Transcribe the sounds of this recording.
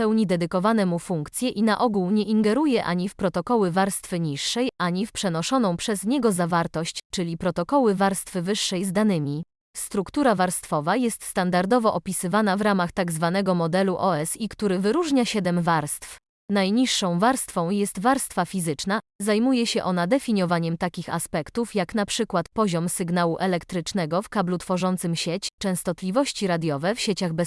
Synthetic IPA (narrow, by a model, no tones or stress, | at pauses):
pɛwɲid̪ɛd̪ɘkɔvanɛmufuŋkt̪sʲjɛʔinaʔɔɡuwɲɛʔiŋɡɛɾujɛʔa̰ɲifpɾɔt̪ɔkɔwɘvaɾst̪fɘɲiʂːɛjʔaɲifpʂɛnɔʂɔnɔ̃w̃pʂɛzɲɛɡɔzavaɾt̪ɔɕt͡ɕt͡ʂɘlʲipɾɔt̪ɔkɔwɘvaɾst̪fɘvɘʂːɛjzd̪anɘmʲi | st̪ɾukt̪uɾavaɾst̪fɔvajɛst̪st̪and̪aɾd̪ɔvɔʔɔpʲisɘvanavɾamaxt̪aɡzvan̪ɛɡɔmɔd̪ɛluʔɔɛsikt̪uɾɘvɘɾuʐɲaɕɛd̪ɛmvaɾst̪f | najɲiʂːɔ̃w̃vaɾst̪fɔ̃w̃jɛst̪vaɾst̪fafʲizɘt͡ʂna | zajmujɛɕɛʔɔnad̪ɛfʲiɲɔvaɲɛmt̪akʲixa̰spɛkt̪ufjakn̪apʂɘkwat̪̚pɔʑɔmsɘɡn̪awuʔɛlɛkt̪ɾɘt͡ʂnɛɡɔfkablut̪fɔʐɔnt̪sɘmɕet͡ɕt͡ʂɛ̃w̃st̪ɔt̪lʲivɔɕt͡ɕiɾad̪ʲjɔvɛfɕet͡ɕaɣbɛ